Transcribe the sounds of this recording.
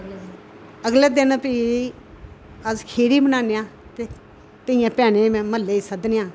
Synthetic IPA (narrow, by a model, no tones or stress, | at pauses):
əɡleːd̪ɪnpi | əzkʰeːɽiːmənaːneãːt̪eː | t̪əɪ̃jãːpɛːɽeːmɛ̃ːməlːeːiːsəd̪nejãː